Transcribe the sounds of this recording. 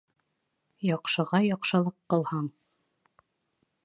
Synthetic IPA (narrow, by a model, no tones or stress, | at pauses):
jɑqʃɤ̆ʁɑjɒqʃɤ̆lˠɤqːɤ̆lˠhɑɴ